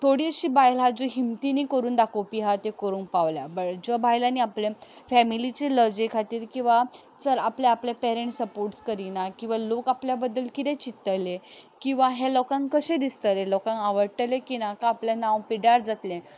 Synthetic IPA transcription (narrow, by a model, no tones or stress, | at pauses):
t̪ʰoɽiəɕiːbajlad͡zoɦimt̪iniːkəɾuːnd̪akʰopiɦat̪ekəɾuːnpaʋljabəd͡zɔbajlaniaplẽfɛmilit͡ɕeləd͡ʑekʰat̪iːɾkĩw̃ʋa | t͡səɾapleaplepɛɾeɳʈsəpoɾʈskəɾinakĩw̃ʋalokapljabəd̪ːəlkit̪ẽt͡ɕit̪ːəlekĩw̃ʋaɦelɔkãŋkkəɕẽd̪ist̪əɾelɔkãŋaʋəɽʈəlekinakaːpljanãwpiɽaɾd͡zat̪lẽ